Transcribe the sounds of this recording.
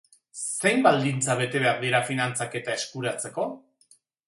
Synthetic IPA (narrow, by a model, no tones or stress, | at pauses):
sse̞jmbald̪int͡saβ̞e̞t̪e̞βe̞aɾðiɾafinant͡sake̞t̪ae̞skuɾat͡se̞ko̞